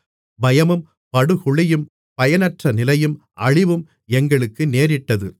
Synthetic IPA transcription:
bɐjɐmɯm | pɐɽɯhʊɭɪjɯm | pɐjɐnɐʈrɐnɪlɐjɯm | ʔɐɻɪʋɯm | ɛŋɡɐɭɯkːɯneːɾɪʈːɐðɯ

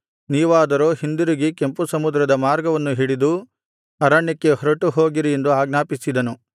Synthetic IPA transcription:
niːʋaːd̪ɐɾo̞ːɦind̪uɾiɡike̞mpusɐmud̪ɾɐd̪ɐmaːɾɡɐʋɐnːuɦiɽid̪u | ɐɾaɳjɐkːe̞ɦɔɾɐʈuɦo̞ːɡiɾije̞nd̪uaːɡnaːpisid̪ɐnu

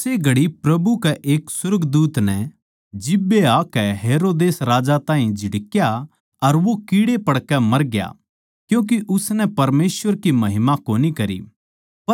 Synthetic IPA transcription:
seɡʱɐɽipɾɐbukɛʔeːksʊɾɡd̪uːt̪nɛ | d͡ʒɪbːeaːkɛɦeːɾoːd̪eːsɾaːd͡ʒat̪ãːɦĩd͡ʒʱɪɽkja | ɐɾʋokiːɽepɐɽkɛmɐɾɡja̰ | kjũːk̬iʔʊsnɛpɐɾmeːsʋəɾkimɐɦɪmakoːnikɐɾḭ | ɐ

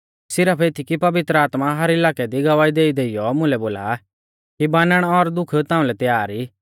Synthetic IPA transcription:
sɪɾəpʰeːt̪ʰikipɐʋɪt̪ɾəaːt̪maɦɐɾɪlaːkɛd̪iɡɐʋaːid̪eːid̪eːijɔmʊ̃lɛboːla̰ | kibãːnəɽ̃ɔɾd̪ʊkʰt̪ãːũlɛt̪jaːɾi

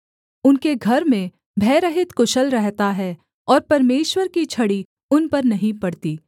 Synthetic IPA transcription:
ʊnkeɡʱɐɾmẽ | bʱɛːɾəɦɪt̪kʊʃəlɾɛɦt̪aɦɛ | ɔːɾpɐɾmeːʃwəɾkit͡ʃʰɐɽi | ʊnpɐɾnɐɦĩpɐɽt̪iː

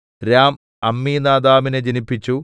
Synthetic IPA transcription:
ɾaːm | ɐmːiːnaːd̪aːmined͡ʑinipːit͡ɕːu

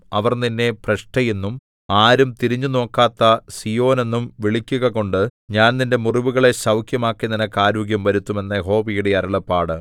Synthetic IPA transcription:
ɐʋɐrninːe̞prɐɕʈɐjenːum | aːɾumt̪iɾiɲːuno̞ːkːaːt̪ːɐsijo̞ːne̞nːumʋiɭikʲːuɣɐɣo̞ɳɖɨɲaːnninde̞muriʋuɣɐɭe̞ɕɐwkʰjɐmaːkːininɐkːaːɾuːɡjɐmʋɐɾut̪ːume̞nːɐjeɦo̞ːbijuɽeɐɾɐɭɐpːaːɽɨ

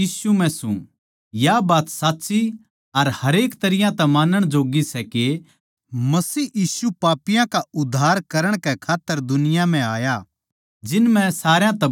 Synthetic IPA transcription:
iːsumɛ̃sṵ̃ | jabaːt̪saːt̪ːsi | ɐɾhɐɾeːkt̪ɐɾɪjãt̪ɛ̃maːnəɽ̃d͡ʒoːɡisɛke | mɐsiːjiːsupaːpɪjãkaʊd̪ʱːaːɾkɐɾəɽ̃kɛkʰaːt̪ːəɾd̪ʊnɪjam̤ɛ̃aːja | d͡ʒɪnmɛ̃saːɾjãt̪ɐ

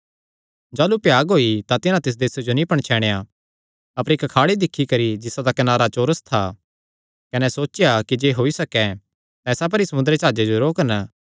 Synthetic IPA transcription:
d͡ʒaːlupjaːɡɦoːit̪at̪ɪnãt̪ɪs̬d̪eːsed͡ʒonĩpɐɽ̃t͡ʃʰɛːɽ̃eja | ɐpəɾɪkkʰaːɽid̪ɪkʰːikɐɾid͡ʒɪsad̪akɐnaːɾat͡ʃoːɾəst̪ʰa | kɐnɛsoːt͡ʃɪjakid͡ʒeːɦoːisɐkɛ | t̪ɛ̃ːsap̬ɐɾisɐmʊ̃nd̪ɾet͡ʃaːd͡ʒed͡ʒoɾoːkən

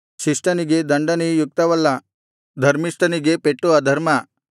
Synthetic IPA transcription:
ɕiʂʈaniɡed̪ɐɳɖanijuk̚t̪aʋɐlːa | d̪ʱɐɾmiʂʈɐniɡepeʈːuad̪ʱɐɾma

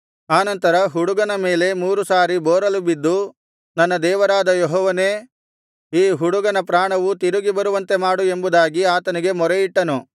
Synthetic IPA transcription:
aːnɐnt̪ɐɾɐɦuɽuɡɐnɐme̞ːle̞muːɾusaːɾibɔːɾɐlubid̪ːu | nɐnːɐd̪ɛːʋɐɾaːd̪ɐjɔɦɔːʋɐne̞ː | iːɦuɽuɡɐnɐpɾaːɳɐʋut̪iɾuɡibɐɾuʋɐnt̪e̞maːɽue̞mbud̪aːɡiaːt̪ɐniɡe̞mɔɾeiʈːɐnu

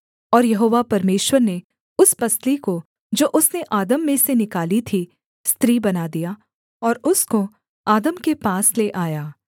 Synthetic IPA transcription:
ɔːɾjɐɦoːʋapɐɾmeːʃwəɾne | ʊspɐsliko | d͡ʒoːʔʊsneʔaːd̪əmːẽsenɪkaːlit̪ʰi | st̪ɾiːbɐnad̪ijaː | ɔːɾʊsko | aːd̪əmkepaːsleʔaːjaː

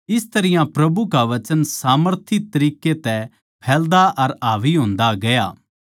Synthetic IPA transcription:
ɪst̪ɐɾɪjãpɾɐbukaʋɐt͡ʃənsaːməɾt̪ʰɪt̪ɐɾiːket̪ɛ | pʰɛːld̪aʔɐɾaːʋiɦõːnd̪aɡɐja̰ː

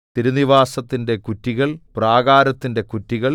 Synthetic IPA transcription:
t̪iɾuniʋaːsɐt̪ːinde̞kutːiɣɐɭpraːɣaːɾɐt̪ːinde̞kutːiɣɐɭ

